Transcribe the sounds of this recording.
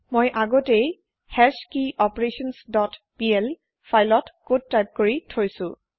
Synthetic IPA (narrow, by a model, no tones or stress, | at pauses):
mojʔaɡɔtej | hɛskiʔɔpɹesɔnsdɔtpiɛl | fʰajlɔtkod̚tːajp̚koɹitʰojsʊ̃